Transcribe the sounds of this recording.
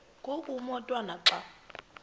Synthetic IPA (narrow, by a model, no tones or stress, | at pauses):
ŋkokʼumɔtʼwanaǁa